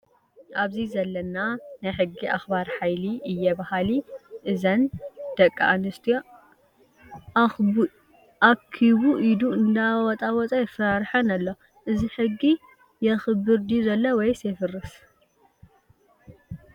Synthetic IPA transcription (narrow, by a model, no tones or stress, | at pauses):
ʔaβzizɐlːɐnanajħɨɡːiʔaxbaɾħajliʔɨjːɛbahaliʔɨzɐnd̪̥ɐkʼːaʔanːɨst̪ʰij | ʔakʰːiβuʔid̪uɨnd̪awɔt͡s̪ʼawɔt͡sʼɐjɛfɾaɾħɐnɐlːo | ʔɨziħɨɡːi | jɛxɨbɨɾd̪izɐlːowɔjsefɨrːɨs